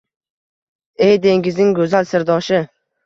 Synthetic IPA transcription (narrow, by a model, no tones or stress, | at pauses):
ejd̪e̞ŋɡɪznɪŋɡɵzalsɪɾd̪ɒʃɪ